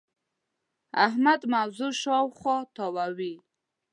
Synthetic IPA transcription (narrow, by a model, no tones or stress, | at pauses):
a̰hmad̪mawzuʃɔwχɔt̪ʰɔwawi